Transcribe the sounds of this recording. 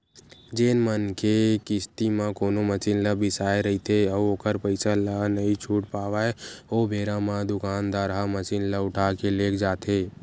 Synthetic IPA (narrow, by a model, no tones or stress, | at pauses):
d͡ʒeːnmənkekɪst̪imãkoːnomət͡ʃinləbɪsaːeɾəɦit̪ʰeəoːkəɾpəɪsalanəĩt͡ʃʰuːʈpaːʋaːeoːbʱeːɾamãd̪ʊkaːnd̪aɾɦamət͡ʃinləʊʈʰaːkeleːkʰd͡ʒaːt̪ʰeː